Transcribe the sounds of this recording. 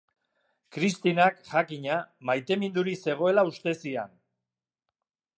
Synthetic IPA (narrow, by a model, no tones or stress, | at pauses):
kɾist̪inakʝakiɲamajt̪e̞mind̪uɾise̞ɣ̞o̞e̞laust̪e̞sia̰n